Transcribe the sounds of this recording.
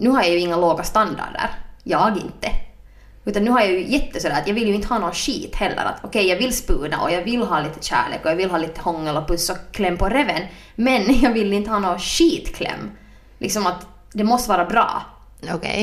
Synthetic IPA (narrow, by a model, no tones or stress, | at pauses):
nʉːɦaɾjajʉɪŋːaloːɡast̪and̪a̰ɖə̰ɾjɑːɡɪ̰nt̪ːə | ʉ̟ːt̪ɑnnʉ̟ːhaɾjajʉjɛt̪ːəsɔd̪æːɾɑt̪jɑːɡʋɪlːjʉɪnt̪hɑːnoːʃḭːt̪hɛlːə̰ɾa̰t̪ʰɔkʰɛjɑːɡʋɪlspʉːna̰ʔɔ̰jɑːɡvɪlːɦɑːliːt̪ə̥ʃæ̰ːɭḛːkɔjɑːʋɪlɦɑːliːt̪ə̥hɔŋːəlɔpɵsːɔkʰlɛmːpɔɾɛvɛn | mɛnjɑːɡʋɪlːɪnt̪hɑːnoːʃiːt̪kʰlɛ̰mː | lʔɪ̰ksɔmat̪ | d̪ɛmɔst̪əʋɑːɾabɾɑ̰ː | okɛ̰